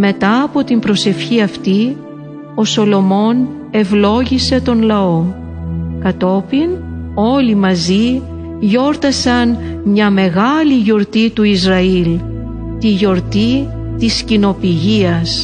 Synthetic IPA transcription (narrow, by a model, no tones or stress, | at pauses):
me̞t̪ɐːpo̞t̪imbɾo̞se̞fçiɐft̪i | o̞so̞lo̞mo̞n | e̞vlo̞ʝise̞t̪o̞nlɐo̞ | kɐt̪o̞pino̞limɐzi | ʝo̞ɾt̪ɐsɐn | ɲɐme̞ɣɐliʝo̞ɾt̪it̪uizɾɐil | t̪iʝo̞ɾt̪i | t̪iscino̞piʝiɐs